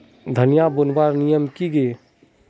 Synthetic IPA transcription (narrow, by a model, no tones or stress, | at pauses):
d̪ʱənijabʊnwaːɾnijəmkiɡe